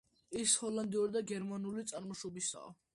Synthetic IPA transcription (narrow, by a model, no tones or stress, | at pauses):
ishɔland̪iuɾid̪aɡɛɾmanulit̪sʼaɾmɔʃɔbisa̰ɔ̰